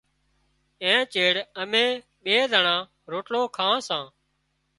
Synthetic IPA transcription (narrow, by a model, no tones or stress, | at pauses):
ẽːt͡ʃeːɽəmẽː | ɓeːd̪ʱəɳãː | ɾoːʈloːkʰãːsãː